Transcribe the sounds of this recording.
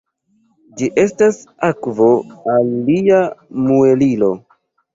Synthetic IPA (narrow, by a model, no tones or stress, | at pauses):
d͡ʒiʔe̞stasakvo̞alːiamue̞lilo̞